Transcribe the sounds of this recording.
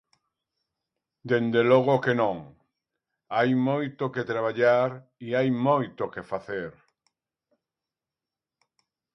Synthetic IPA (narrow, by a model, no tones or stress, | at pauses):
d̪end̪eloɣ̞okenõŋ | ajmojt̪oket̪ɾaβ̞aʎaɾiajmojt̪okefaθeɾ